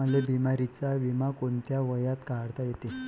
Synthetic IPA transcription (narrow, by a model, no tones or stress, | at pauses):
əlebimaɾit͡saʋimakont̪jaʋəjat̪kaɽt̪ajet̪e